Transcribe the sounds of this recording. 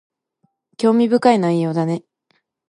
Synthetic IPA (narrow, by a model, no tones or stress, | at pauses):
kʲo̞ːmʲibɯ̟kainaijːo̞ːd̪ane̞